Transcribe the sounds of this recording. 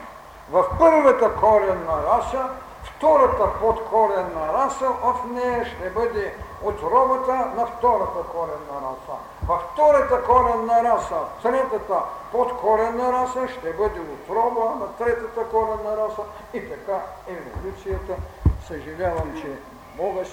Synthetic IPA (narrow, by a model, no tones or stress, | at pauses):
vɐfpəɾvɐt̪ɐkɔɾɛnɐɾasɐ | ft̪ɔɾɐt̪ɐpot̪kʰɔɾɛnːɐɾasɐɐfnɛjɛʃt̪ɛbɤd̪ɛot̪ɾɔbɐt̪ənɐft̪ɔɾɐt̪ɐkɔɾɛnɐɾa̰sɐ̰ | vɐfːt̪ɔɾɐt̪ɐkɔɾɛnːɐɾasɐt̪ɾɛt̪ɐt̪ɐpot̪kɔɾɛnɐɾasɐʃt̪ɛbəd̪ɛot̪ɾɔbɐnɐt̪ɾɛt̪ɐt̪ɐkɔɾɛnːɐɾasɐ | it̪ɐkaɛvo̰lʲut̪sijɐt̪ɐsɐʒɐlʲavɐmt͡ʃɛ | mɔɡɐs